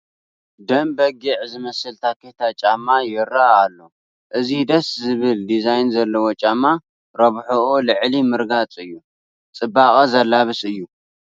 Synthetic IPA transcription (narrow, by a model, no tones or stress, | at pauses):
d̪ɐmbɐɡiʕzɨmɐsɨlt̪ʰakʰet̪ʰat͡ʃʼamːajɪrːaːlːo | ʔɨzid̪ɐszɨβɨld̪izajnzɐlːɐwot͡ʃʼamːa | ɾɐβħoʔolɨʕlimɨɾɡat͡sʼɨjːu | t͡sʼɨbːakʼɐzɐlːaβɨsɨjːu